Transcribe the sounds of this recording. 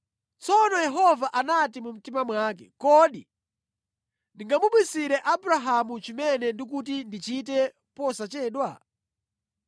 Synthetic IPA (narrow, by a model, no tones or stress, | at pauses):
t͡sɔnɔjɛɦɔvaʔanat̬imum̩timamwakɛ̰kɔːɗi | ndiŋɡamuɓwisiɾɛʔabuɾaɦamut͡ʃimɛnɛndik̬ut̬indit͡ʃit̬ɛ | pɔsat͡ʃɛːɗwa